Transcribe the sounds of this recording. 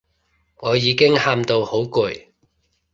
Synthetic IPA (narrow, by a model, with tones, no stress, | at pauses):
ŋɔː˨˧jiː˨˧kɪ˥ŋhaː˧mt̪o˧who˨˥wkʊ˨˩j